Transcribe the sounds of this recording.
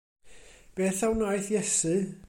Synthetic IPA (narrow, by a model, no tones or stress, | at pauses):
b̥eːθawnajθjɛsɨ